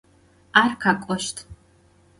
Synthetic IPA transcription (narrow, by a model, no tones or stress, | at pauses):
aːrkʰakʷʼɔʃtʰ